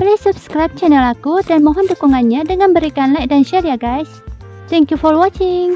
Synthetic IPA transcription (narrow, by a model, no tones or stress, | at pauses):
blesubskɾajb̚t͡ʃɛnəlakudanmɔɦɔndukuŋanɲadəŋanbəɾikanlajk̚danʃɛɾiaɡajs | t̪ɛ̃ŋkjufɔrwɔt͡ʃɪŋ